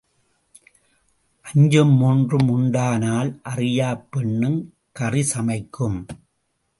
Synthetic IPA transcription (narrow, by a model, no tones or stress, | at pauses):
ʔɐɲd͡ʒɯmːuːndrɯmʊɳɖaːnaːlʔɐrɪjaːpːɛɳːɯm | kɐrɪsɐmɐɪkːɯm